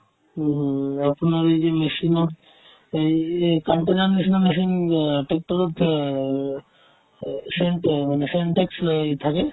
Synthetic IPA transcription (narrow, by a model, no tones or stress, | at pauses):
aponaɾejd͡ʑemeʃino | ejkaɳʈenaneʃinomeʃ̬inʈek̚ʈoɾud̪ | seɳʈmaneseɳʈekst̪ʰake